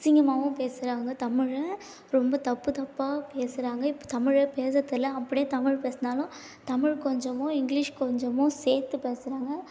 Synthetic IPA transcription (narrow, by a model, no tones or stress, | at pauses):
sɪŋɡɐmaːʋʊ̃peːsɪɾaːŋɡɐt̪ɐmɪɻ | ɾɔmbɐt̪ɐpːɯt̪ɐpːaːpeːsɯɾaːŋɡɐɪpːo̥t̪ɐmɪɻpeːsɐt̪ːɪlɐɐpːɐɽɪjeːt̪ɐmɪɻpeːsɐnaːlʊ̃ | t̪ɐmɪɻkɔɲd͡ʒɐmõːɪŋɡlɪʂkɔɲd͡ʒɐmõseːɾt̪ːɯpeːsɪɾaːŋɡɐ